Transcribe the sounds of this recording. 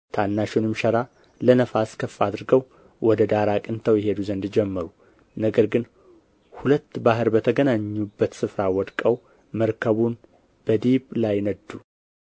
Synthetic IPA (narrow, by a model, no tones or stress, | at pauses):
t̪ʰanːaʃɪnɨmʃəɾa | lənəfaskʰəfːad̪ɨɾɡəw | wɔd̪əd̪aɾakʼɨnt̪ʰəwjɛɦe̞d̪uzənd̪d͡ʒɛmːəɾu | nəɡəɾɡɨn | hulət̪ːbaɦɨɾbət̪ʰəɡənaɲːubːət̪sɨfɾawɔd̪kʼəw | məɾkʰəβun | b̥əd̪iβlajnəd̪u